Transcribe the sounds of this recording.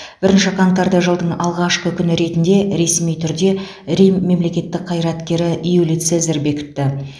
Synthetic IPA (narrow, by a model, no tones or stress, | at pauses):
b̥ɪɾɪnʃɪkʰɑnt̪ɑɾd̪ɑʒəlˠd̪əɴɑlˠʁɑʃqəkʲʰʏnɪɾe̞t̪ɪnd̪e̞ɾe̞smijt̪ʰʏɾd̪e̞ | ɾijme̞mle̞kʲe̞t̪ːɪk̚qʰɑjɾɑt̪kʲe̞ɾɪʔijulijt̪sezɪɾbe̞kʲɪ̥t̪ːɪ